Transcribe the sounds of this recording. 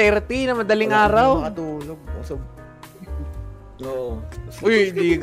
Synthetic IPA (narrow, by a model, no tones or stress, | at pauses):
ɛɾt̪inɐmɐd̪ɐlɪŋʔaːɾɐwɐt̪uːloɡ̚o̰so | oojɪnd̪i